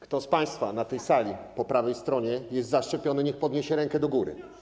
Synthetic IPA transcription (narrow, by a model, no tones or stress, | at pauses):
kt̪ɔspaj̃st̪fanat̪ɛjsalʲipɔpɾavɛjst̪ɾɔɲɛjɛst̪zaʂt͡ʂɛpʲjɔnɘɲɛxpɔd̪ɲeɕɛɾɛŋkɛd̪ɔɡuɾɘ̰